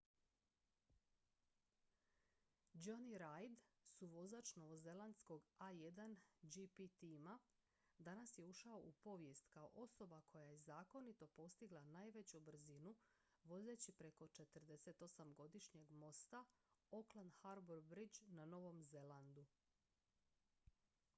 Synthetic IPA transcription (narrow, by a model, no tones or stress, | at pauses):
d͡ʒoniɾajd̪suʋo̞zat͡ʃno̞ʋo̞ze̞lˠand̪sko̞ɡaje̞d̪and͡ʒipit̪ima | d̪anasje̞uʃao̞ʔupo̞ʋje̞st̪kao̞̰ʔo̞so̞bakʰo̞jajezaːko̞nit̪o̞po̞st̪iɡlˠanajʋe̞t͡ɕubr̩zinu | ʋo̞ze̞t͡ɕipɾe̞ko̞t͡ʃe̞t̪ərd̪e̞se̞t̪o̞samɡo̞d̪iʃɲe̞ɡmo̞st̪ao̞klˠand̪haɾboɾbɾid͡ʒnano̞ʋo̞mze̞lˠand̪u